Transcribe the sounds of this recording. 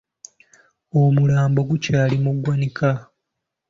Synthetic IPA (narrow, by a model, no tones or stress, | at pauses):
omulaːmbo̞ɡucaːlimuɡwanika